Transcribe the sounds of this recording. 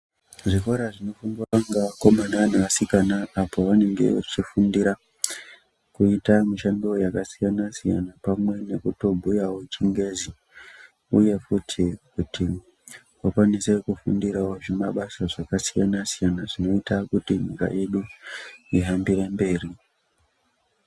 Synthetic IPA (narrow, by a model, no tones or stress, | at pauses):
ʐiko̞ɾaʐino̞fundiaaŋɡako̞manaʋan̤uʋasikanaːpo̞ʋane̞ŋɡe̞̰o̰t͡ʃifundiɾa | kuitamiʃandiwo̞jakasijanasija̰napamwe̞ne̞kuto̞bʱujawo̞t͡ʃiŋɡe̞zi | uje̞futʰikutʰi | wakwanise̞kufundiɾawoʐemaɓasaʐakasijanasijanaʐino̞itakutiɲika̰ʔe̞ɗu | iɦambiɾembe̞ːri